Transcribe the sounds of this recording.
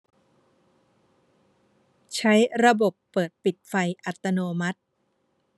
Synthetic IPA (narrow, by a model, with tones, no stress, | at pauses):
t͡ɕʰa˦˥jɾa˧bo˨˩pːɤː˨˩t̪̚pi˨˩t̪̚fa˧jʔa˨˩t̪ːa˧noː˧ma˦˥t̪̚